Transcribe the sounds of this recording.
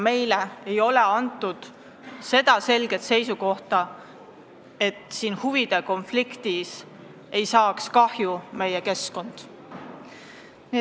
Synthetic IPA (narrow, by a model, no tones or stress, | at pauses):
me̞jleejo̞le̞ɑnt̪ːˑud̪̥ | se̞d̪̥ɑse̞lɡ̥e̞t̪se̞jsuko̞ht̪ɑ | e̞t̪ˑsiːnhuvid̪̥e̞ko̞nflikt̪is | e̞jsɑːkskɑhjume̞jeke̞sko̞nd̪̥ | ni